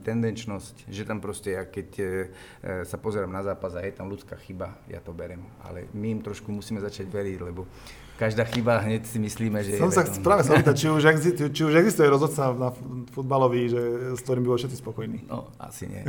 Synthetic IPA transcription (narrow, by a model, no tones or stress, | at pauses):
t̪ɛnd̪ɛnt͡ʃnɔscʒɛt̪ampɾɔscɛjakɛc | sapɔzɛɾamnazaːpazajɛt̪amlut͡skaːxibaja̰t̪ɔbɛɾɛmʔa̰lɛ̰miimt̪ɾɔʃkumusiːmɛzat͡ʃaɟʋɛɾiɟlɛbɔ | kaʒd̪aːxibaɦɲɛcsimisliːmɛʒɛɔmsaxtɛpɾaːʋɛsaɔpːiːt̪act͡ʃiuʒɛɡzit͡ʃiuʒɛɡzist̪ujɛɾɔzɔt̪t͡sanafud̪balɔʋiʒɛskt̪ɔɾimbibɔlifʃɛt̪t͡si̥spɔkɔjniːnɔ̰ | a̰sḭɲɪ̰ɛ̰